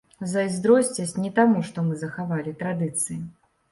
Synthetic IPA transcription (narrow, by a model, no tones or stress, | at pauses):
zɐjzd̪ɾɔsʲt͡sʲɐsʲnʲɛt̪amuʂt̪ɔmɨzɐxavalʲit̪ɾad̪ɨt̪sɨji